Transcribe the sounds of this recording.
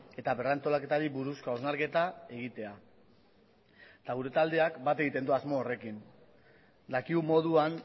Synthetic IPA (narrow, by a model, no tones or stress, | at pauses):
e̞t̪aβe̞rant̪o̞lake̞t̪aɾiβuɾuskaoznaɾke̞t̪ae̞ɣ̞it̪e̞a | t̪aɣ̞uɾe̞t̪ald̪e̞akbat̪e̞ɣit̪e̞nd̪uazmo̞ːre̞kin | d̪akiɣumo̞ðuan